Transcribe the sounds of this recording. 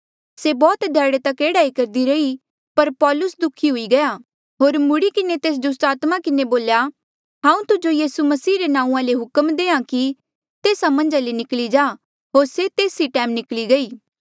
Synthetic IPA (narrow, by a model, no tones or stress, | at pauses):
sebɔːt̪d̪ʱɛːɽet̪ɐkeːɽaːikɐɾd̪iɾɐi | pɐɾpɔːlʊsd̪ʊkʰiɦʊiɡɐja | ɦoːɾmʊɽikɪnet̪eːs̬d̪ʊs̬ʈ̪aːt̪makɪneboːlja | ɦãːũt̪ʊd͡ʒojiːsumɐsiːɾenãːũãleɦʊkəmd̪eːãki | t̪eːsamɐ̃nd͡ʒalenɪklid͡ʒaː | ɦoːɾset̪eːsiʈɛ̃ːmnɪkliɡɐiː